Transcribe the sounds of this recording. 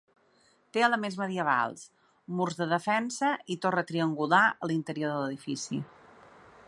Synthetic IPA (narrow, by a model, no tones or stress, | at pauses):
t̪eələmenzməðiəβ̞a̰lˠs | murzðəðəfɛnsəit̪orət̪ɾiəŋɡulaəlint̪əɾioɾðələðifisḭ